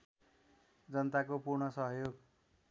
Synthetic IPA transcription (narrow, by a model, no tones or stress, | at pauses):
d͡zʌnʌt̪akopurɳʌsʌɦjoɡ